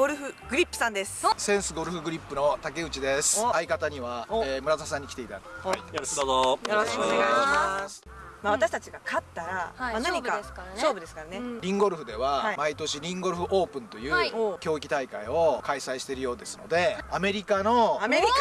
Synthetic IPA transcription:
ɡ̥oɾɯ̟ɸɯ̟ɡ̥ɯ̟ɾʲipːɯ̟̥sãnd̪e̞sɨ̥sẽ̞ɰ̃sɨɡo̞ɾɯ̟ɸɯ̟ɡɯ̟ɾʲipːɯ̟no̞t̪ake̞ɯ̟t͡ɕid̪e̞sɨ̥aikat̪aɲ̟iβaemɯ̟ɾazasãɲ̟ːikʲi̥t̪e̞it̪a̰jooojoɾoɕoneɡajimḁ | maβat̪aɕi̥t̪at͡ɕiɡakʰat̪ːaɾaanaɲikaskasoːbɯd̪esɨ̥kaɾaneɾʲĩŋɡo̞ɾɯ̟ɸɯ̟d̪e̞βaamait̪o̞ɕiɾʲĩŋɡo̞ɾɯ̟ɸɯ̟ʔo̞ːpɯ̟̃nt̪o̞jɯːkʲo̞ːikʲi̥t̪aikaio̞kaisaiɕi̥t̪e̞ɾɯ̟jo̞ːd̪e̞sɨno̞̰d̪e̞ame̞ɾʲikano̞

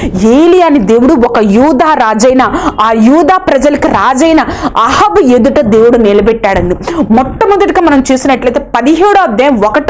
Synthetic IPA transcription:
eːlijaːnid̪eːwuɽuɔkɐjuːd̪aːɾaːd͡ʒɐjnɐaːjuːd̪aːpɾɐd͡ʒɐlɐkiɾaːd͡ʒɐjnɐɐhɐʋued̪uʈɐd̪e̞ːwuɽunɛlɐbɛʈːaːɽɐnd̪imɔʈːɐmɐnd̪ɐʈikaːmɐnɐmt͡ʃuːsinɐʈlɐjt̪epɐd̪iɦeːɽoɐd̪eːmʋɔkɐʈ

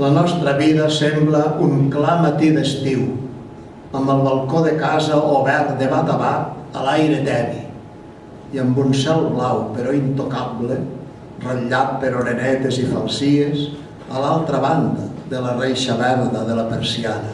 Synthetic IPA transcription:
lanɔst̪ɾəβiðɐsembləuŋklamat̪iðest̪iw | əmbəlˠβalˠkoðekazəoβɛɾt̪d̪eβat̪aβat̪alajɾet̪ɛβi | iəmbunsɛlˠβlawpeɾɔint̪okable | raʎat̪̚peɾoɾenɛt̪ezifalˠsies | alalˠt̪ɾəβand̪aðelarejʃaβɛɾðəðelapeɾsiana

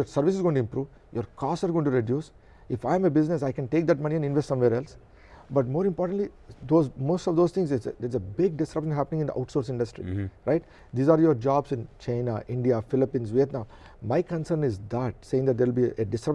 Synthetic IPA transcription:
jɔɾsəɾʋɪsɪzɡõːɪ̃ʈuɪ̃mpɾuːʋ | joːɾkɔːsʈaːɾɡõːjɪ̃ɳʈuɾeɖjuːs | ɪfaɪə̃mebɪznes̬aɪkɛ̃nʈeːk̚d̪æʈmɐniɛ̃nɖɪ̃nʋesʈsʌ̃mʋeːɾɛls | bɐʈmoːɾɪ̃mpɔːɾʈə̃ɳʈlid̪oːzmoːsʈɔʋd̪oːzt̪ɪ̃ŋsɪsd̪eɾzebɪɡ̚ɖɪsɾʌpʃə̃nɦæpənɪ̃ŋɪ̃nd̪ə̰a̰ʊʈsoːɾsɪ̃ɳɖəsʈɾḭɾaɪʈ̚ | d̪iːzaːɾjoɾd͡ʒaːbsɪ̃nt͡ʃãɪnaʔɪ̃ɳɖiafɪlɪpĩːnsʋet̪nãʊ | maɪkə̃nsəɾnɪzd̪æʈ̚seːɪ̃ŋd̪æʈ̚d̪eɾʋɪlbiʔeɖɪsɾɐp̚

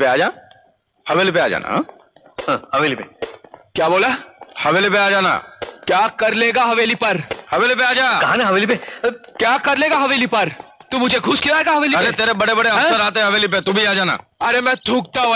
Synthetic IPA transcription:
pea̰ːd͡ʒaː | hɐʋeːlipea̰ːd͡ʒa̰ːna̰ | ɦãhɐʋeːlipekjaːboːlahɐʋeːlipeaːd͡ʒaːna̰ːkjaːkɐɾleːɡaɦɐʋeːlipɐɾhɐʋeːlipeaːd͡ʒaːkɐɦãnɛ̃ɦɐʋeːlipekjaːkɐɾleːɡaɦɐʋeːlipɐɾt̪umʊd͡ʒʱeɡʱʊskiʋaːeːɡaɦɐʋeːliɐɾɾet̪eːɾebɐɽebɐɽeɐ̃səɾaːt̪̬eɦɛ̃ɦɐʋeːlip̬et̪uːbʱiaːd͡ʒaːna̰ːɐɾemɛ̃ːt̪ʰũːk̚t̪aɦũ

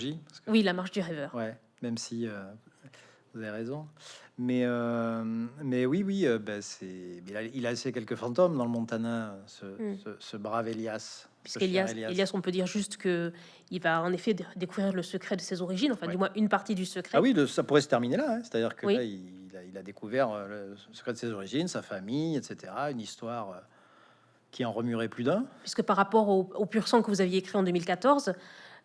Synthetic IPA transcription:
ʒipasə̥kwilamaʁʃd̪yʁɛvœːʁwɛ | mɛmsiø | vuzaveʁezɔ̃mɛø | mɛwiwiøbɛsɛbɛilailasekʲɛlkəfɑ̃t̪ɔmd̪ɑ̃ləmɔ̃t̪anɛ̃øsəsəsəbʁaveljas | pɥiskeljaseljaeljasɔ̃pød̪iʁʒyst̪kə | ilvaɑ̃nefɛd̪ekuvʁiʁləsəkχɛd̪əsezɔʁiʒinɑ̃fɛ̃d̪ymwɛ̃ʔynpaʁt̪id̪ysəkχɛawiləsapuʁɛsə̥t̪ɛʁminelaɛ̃se̥t̪ad̪iʁkʰəwiaiilailad̪ekuvɛʁøləəsəkχɛd̪əsezɔʁiʒinsafamijɛt̪set̪eʁaynist̪waʁø | kʲʰiɑ̃ʁəmyʁɛplyd̪ɛ̃pɥiskəpaʁːapɔʁoopyʁsɑ̃kəvuzavjeekχiɑ̃d̪ømilkat̪ɔʁz

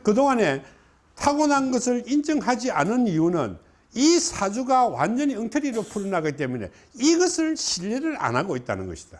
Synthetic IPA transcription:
kɯdoŋane̞ | tʰaɡʌnɦanɡʌsʰɯɭind͡ʑɯŋɦad͡ʑianɯniunɯ̰n | isʰad͡ʑuɡawa̰nd͡ʑʌɲiɯŋtʰʌɾiɾopʰuɾɯnaɡit͈e̞mune̞̰ | iɡʌsʰɯɭɕʰiʎːeɾɯɾa̰naɡoit̚t͈a̰nɯnɡʌɕʰi̥d̥a

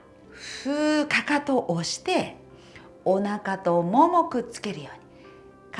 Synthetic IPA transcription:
ɸɯːkakat̪o̞ʔoɕi̥t̪e̞ | onakat̪o̞mo̞mo̞kɯ̟t͡sɨ̥ke̞ɾɯ̟jo̞ːɲ̟i | k

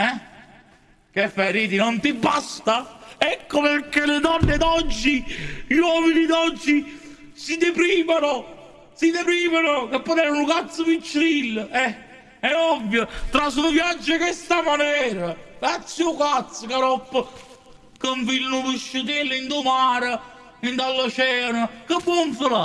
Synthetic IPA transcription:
ɛ | kefːeɾiːt̪inont̪ibːast̪aɛkːopekːeled̪ɔnːed̪ɔd͡ʒːiʎwɔminid̪ɔd͡ʒːi | sid̪epɾiːmano | sid̪epɾiːmanokepːonɛɾanukat̪sːəpit͡ʃːɾilːɛ | ɛɔvːjot̪ɾasunvjad͡ʒːekest̪amanɛːɾakat̪sːjʊkat̪sːəkaɾɔpːə | kəɱfilnʊpiʃːut̪̬elːind̪ʊmaːɾə | ind̪alːat͡ʃɛːnakəpːwɔɱfəla

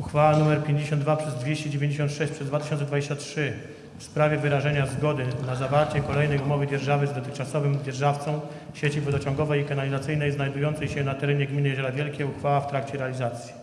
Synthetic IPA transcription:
uxfawanumɛɾpʲjeɲd͡ʑeɕ̬ɔnd̪d̪vapʂɛzd̪vʲeɕt͡ɕɛd͡ʑevʲẽɲd͡ʑeɕɔnt̪ʂɛɕt͡ɕʲpʂɛzd̪vat̪ɪɕɔnsɛd̪vad͡ʑeɕt͡ɕatʂɘ | fspɾavʲjɛvɘɾaʐɛɲazɡɔd̪ɘnazavaɾt͡ɕɛkɔlɛjnɛjumɔvɘd͡ʑɛɾʐavɘzd̪ɔt̪ɘxt͡ʂasɔvɘmd͡ʑʲɛɾʐaft̪sɔ̃w̃ | ɕet͡ɕivɔd̪ɔt͡ɕɔ̃ŋɡɔvɛjikanalʲizat̪sɘjnɛjznajd̪ujɔnt̪sɛjɕɛnat̪ɛɾɛɲɛɡmʲinɘjzɔɾavʲjɛlkʲɛuxfawaft̪ɾakt͡ɕɛɾɛalʲizat̪sʲji̥

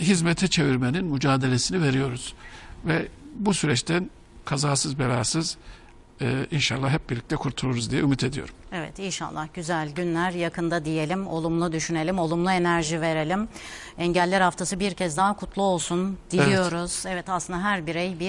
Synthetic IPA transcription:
ɦizmet̪ʰɛt͡ʃʰe̞viɾmeninmyd͡ʒaːd̪e̞lʲesinive̞ɾijo̞ɾuz̥vɛbusyɾɛt͡ʃt̪ʰæn | kʰazaːsɯzbelʲaːsɯz | inʃalˠːaɦɛp̚biɾlʲic̚t̪ʰɛkʰuɾt̪ʰulˠuɾuzd̪ijɛymit̪ʰe̞d̪ijo̞̰ɾumevɛ̰t̪inʃa̰lˠːahɟyzælʲɟynlʲæɾjakʰɯnd̪ad̪ije̞lʲimo̞̰lˠumlˠud̪yʃyne̞lʲimo̞lˠumlˠue̞næɾʒive̞ɾe̞lʲim | ɛɲɟælʲːæɾhaft̪ʰasɯbiɾcʰɛzd̪aɦakʰut̪ʰlˠuo̞lˠsund̪̥iijjo̞ɾuz̥ɛvɛt̪aslˠɯnd̪aɦæɾbiɾejbi

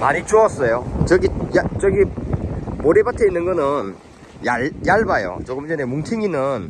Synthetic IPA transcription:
maɾit͡ɕoʌs͈ʌjot͡ɕʌɡijat͡ɕʌɡi | moɾebatʰeinːɯnɡʌnɯn | jajaɭbajo̰t͡ɕoɡɯmd͡ʑʌnemuŋtʰɯŋinɯn

